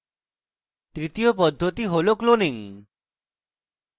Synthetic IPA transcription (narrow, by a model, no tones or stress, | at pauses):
t̪ɾit̪ijopɔd̪ʱːot̪iɦolokloniŋ